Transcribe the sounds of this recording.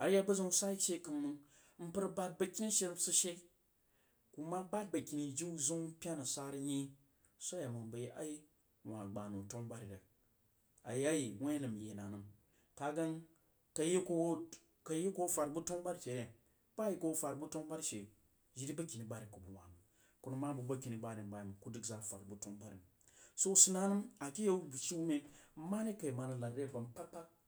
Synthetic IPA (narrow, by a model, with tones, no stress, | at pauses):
a˨ɾja˦bɐ˦zo˦ŋ˦sʷa˦i˦ʃe˦˧kɨ˧mːɨ˨˧ŋ | m̩˦pɨ˦ɾba˦t̚bɐ˧kʲi˦ni˦ʃe˦ɾsɨ˦ʃe˦ | ku˨ma˦ba˦t̚bɐ˨kʲi˨ni˨d͡ʒi˦u˦zu˦ŋ˦pʲa˦nɨ˨sa˦ɾi˦ɲi˦ | so˦ja˨mɨ˨bɐ˨je˦a̰˦ji˦ | wʷa˨ɡ͡ba˨nu˨to˦ŋba˦ɾi˨ɾa˨ | a̰˨ji˦a˦ji˨wʷe˦nɨ˨m˨jḛ˨na˨nɨ˨m | ka˨ɡa˦ŋ | ka˨je˦ko˦w | ka˨˦je˦ko˦fa˨ɾbu˦to˦ŋba˦ɾte˨ɾe˨ | pa˦ji˦ko˦fa˨ɾbu˦to˦ŋba˦ɾi˦ʃe˨ | ʒi˦ɾi˦ba˦ki˨ni˨ba˦ɾi˨ku˨bu˨wa˨nɨ˨ | ku˦nu˦ma˦bu˨ba˦ki˨ni˨ba˦ɾi˨n˨ba˨ji˨mu˨ku˦di˦kza˦˨fa˨ɾbu˦to˦ŋba˦ɾḭ˨m˨ | so˦si˦na˦nɨ˦ma˨ki˦je˦bu˨ʃi˦me˦ma˦ni˦ka˨ji˨ma˨nɨ˨˦la˨ɾde˦ba˨mpa˦k͡pa˦